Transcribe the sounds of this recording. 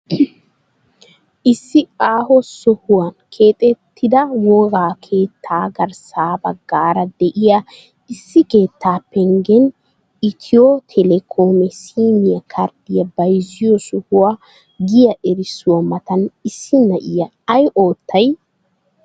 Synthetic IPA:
ʔɪsːɪkʼaːɦɔsʊhʊwɐnkʰe̞ːt̪ʼɛt̪ːɪd̪ɐwɔɡaːkʰeːt̪ʰːaːɡɐɾsaːbɐɡːaːɾɐd̪ɛʔɪja | ɪsːɪke̞ːt̪ːaːpːɛŋɡɛn | ɪt̪ʰɪjot̪ʰɛlɛkʰoːmɛsiːmɪjɐkʰɐɾd̪ɪjɐbɐjzɪjɔsʊhʊwa | ɡɪjɐʔɛɾɪsʊwɐmɐt̪ɐnɪsːɪnɐʔɪjɐ | ɐjʔo̞ːt̪ʰːɐj

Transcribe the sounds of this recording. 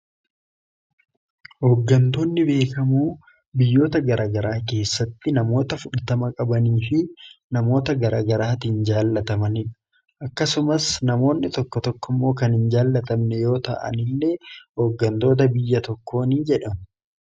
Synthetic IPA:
hoːɡːɐnt̪o̞ːnːɪbe̞ːkɐmuː | bɪjːo̞ːt̪ɐɡɐɾʔaːɡɐɾaːke̞ːsːɐt̪ːɪnɐmo̞ːt̪ɐfʊᶑɐt̪ɐmɐkʼɐbɐniːfɪnɐmo̞ːt̪ɐɡɐɾaːɡɐɾaːt̪iːnd͡ʒaːlːɐt̪ɐmɐnɪᶑʊ̥ | ʔɐkːɐsʊmɐsnɐmo̞ːnːɪt̪ɔkːɔt̪ɔkːʊmːo̞ːkɐnhɪnd͡ʒaːlːɐt̪ɐmnɛjo̞ːt̪ɐ̰ʔɐ̰nɪlːe̞ːhoːɡːɐnt̪o̞ːt̪̬ɐbɪjːɐt̪ɔkːo̞ːniːd͡ʒɛᶑɐm

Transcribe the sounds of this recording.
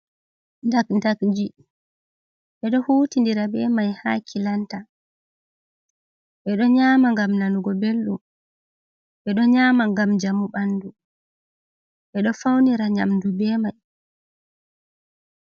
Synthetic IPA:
ndakndakd͡ʒi | ɓɛɗɔhuːtindiɾabɛmajhaːkʰilanta | ɓɛɗɔɲaːmaŋɡamnanuɡɔbelɗum | ɓɛɗɔɲaːmaŋɡamd͡ʒamuɓanːdu | ɓɛɗɔfawniɾaɲa̰mdubɛmaj

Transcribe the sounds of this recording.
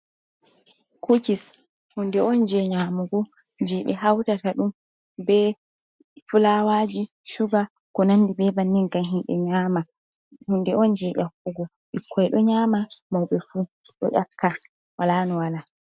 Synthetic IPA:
kʰukis | hundɛɔnd͡ʒɛɲamuɡɔd͡ʒɛɓɛ̰ɦawtataɗum | bɛ | fulawad͡ʒi | ʃuɡa | kɔnanːdibɛbanːiŋkanɦimɓɛ̰ɲaːma | hundɛɔnd͡ʒɛɗakːuɡɔ | ɓikʰːɔɛɗɔɲaːmamawɓɛfu | ɗɔ̰ʔakːa | walaːnɔwala

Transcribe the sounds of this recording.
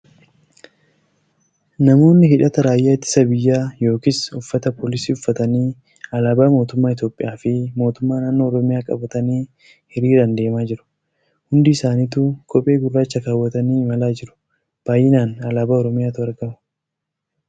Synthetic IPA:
nɐmo̞ːnːɪhɪᶑɐt̪ɐɾaːjaːɪt̪ːɪ̥sɐbɪjːaːjo̞ːkɪsʊfːɐt̪ɐpoːlɪsiːʊfːɐt̪ɐniː | ɐlaːbaːmo̞ːt̪ʊmːaːɪt̪o̞ːpʼːɪjaːfɪmo̞ːt̪ʊmːaːnaːnːoːɾɔmɪjaːkʼɐ̰bɐt̪ɐniː | hɪɾiːᶑɐnd̪e̞ːmaːd͡ʒɪɾʊ̥ | hʊnd̪ɪːsaːniːt̪uːkʼɔpʼe̞ːɡʊrːaːt͡ʃːɐkaːwːɐt̪ɐniːɪmɐlaːd͡ʒɪɾʊ̥ | b̥aːjːɪnaːnɐlaːbaːɔɾɔmɪjaːt̪ʊɐɾɡɐmʊ̥

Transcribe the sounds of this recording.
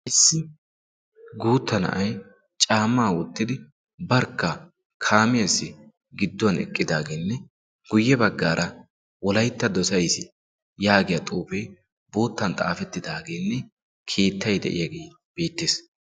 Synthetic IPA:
ɪsːɪ | ɡuːt̪ːɐnɐ̰ʔɐj | t͡ʃʼaːmːaːwɔt̪ːɪd̪ɪ | bɐɾkːɐ | kʰaːmɪjɐsːɪ | ɡɪd̪ːwɐnɛ̰kʼːɪd̪aːɡeːnːɛ | ɡ̥ʊjːɛbɐɡːaːɾʔɐ | wɔlɐjt̪ːɐd̪ɔsɐjsɪ | jaːɡɪjɐt̪ʼuːfe | boːt̪ːɐnt̪ʼa̰ːfɛt̪ːɪd̪aːɡeːnːɛ | kʰe̞ːt̪ʰːɐjd̪ɛ̰ʔɪ̰jɐɡej | b̥e̞ːt̪ːeːs

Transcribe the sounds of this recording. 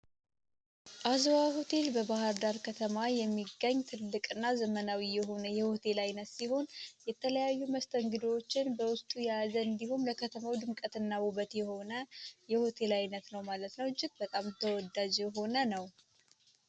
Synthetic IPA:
ʔazwaho̞t̪ʰe̞lbəbahaɾd̪aɾkʰət̪ʰəmajɛmːiɡːəɲːt̪ʰɨlːɨkʼɨnːazəmənawijɛɦo̞nəjɛho̞t̪ʰe̞lajnət̪siho̞njɛt̪ʰələjajːuməst̪ʰəŋɡɨd̪wot͡ʃːɪnbəwʊst̪ʼujazəɨnd̪ihomləkʰət̪ʰəmawd̪ɨmkʼət̪ɨnːaβuβət̪jɛho̞nəjɛho̞t̪ʰe̞lajnət̪nəwmalət̪nəwɨd͡ʒʼɪk̪bət̪ʼamt̪ʰəwɔd̪ad͡ʒjɛɦo̞nənəw

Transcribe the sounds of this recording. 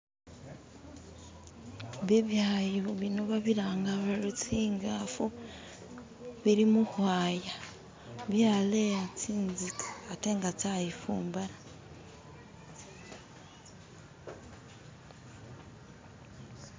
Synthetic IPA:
βiβjaːjoβinoβaβiɾaːŋɡaβaɾut͡siːŋɡaːfu | βiɾimuhwaːja | βjaːleat͡siːnzikḁateːŋɡat͡sajifṵːmbaɾa

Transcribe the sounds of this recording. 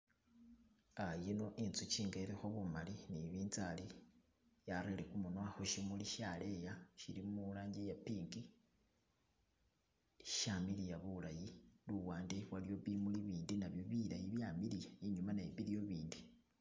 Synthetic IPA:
ajeno̞ʔint͡sut͡ʃiːŋɡaiɾixoβumaliniβiːnt͡sali | jaɾelekumunwaxoʃimuliʃalejaʃilimulaːɲɟejapiːŋɡi | iʃamilijaβulajiluwaːndewalijo̞βimuliβiːndinaβjo̞βilajiβjamilijaiɲumanaiβiljo̞βiːndi

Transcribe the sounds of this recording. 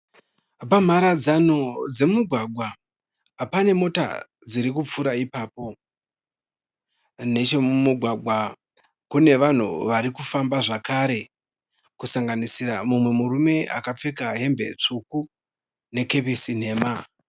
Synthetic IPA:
bam̤aɾad͡zanod͡ze̞muɡʱwaɡʱwaː | pane̞mo̞ta̰ | d͡ziɾikup͡fuɾaipaːp̚o̞ | ne̞t͡ʃe̞mumuɡʱwaɡʱwa | kune̞ʋan̤ṵʋaɾikufambaʐakaɾe̞ | kusaŋɡanisiramumwe̞muɾume̞a̰kap͡fekaɦe̞mbe̞̰t͡ʂuku | ne̞ke̞pisin̤e̞ːma

